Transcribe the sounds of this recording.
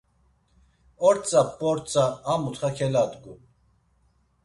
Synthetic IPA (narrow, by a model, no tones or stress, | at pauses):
ɔɾt͡sʼapʼːɔɾt͡sʼaːmut̪χakʰɛlad̪ɡu